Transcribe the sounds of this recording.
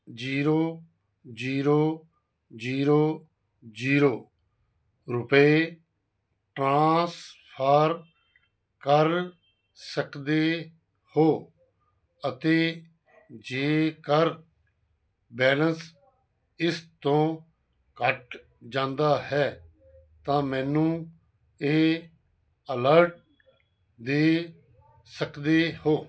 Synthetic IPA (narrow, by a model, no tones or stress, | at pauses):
d͡ʒiːɾoː | d͡ʒiːɾoː | d͡ʒiːɾoː | d͡ʒiːɾoː | ɾʊpe | ʈɾãːspʰaːɾ | kəɾ | səkd̪eː | hoː | ət̪eː | d͡ʒeːkəɾ | bɛːləns | ɪst̪õː | kəʈ | d͡ʒãːnd̪aːɦɛː | t̪ãːmɛ̃ːnũː | eː | ələɾʈ̚ | d̪eː | səkd̪eːhoː